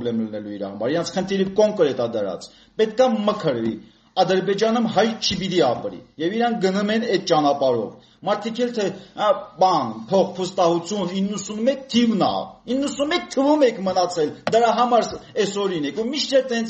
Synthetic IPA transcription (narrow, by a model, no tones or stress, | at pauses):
blɛmlənɛluiɾɑ̰hɑmɑɾiɾɑnt͡sʰχənt̪ʰiɾivkɔŋkɾɛt̪ɑd̪əɾɑ̰t͡s | pɛt̪kɑməkʰəɾvḭ | ɑd̪əɾbɛd͡ʒɑnəmɦɑjt͡ʃʰibit̪iɑpɾḭjɛviɾɑŋk̚ʰɡənumɛnɛd̪̚t͡ʃɑnɑpɑɾɔ̰v | mɑɾt̪ʰikʰɛlt̪ʰɛbɑnpʰɔχpʰust̪ɑhut͡sʰjuninːəsunmɛk̚t̪ʰivnɑ̰inːəsunmɛk̚t̪ʰːəvumɛkʰmənɑt͡sʰɛld̪əɾɑɦɑmɑɾsɛsɔɾinɛkumiʃt̪ʰɛt̪ɛnt͡sʰ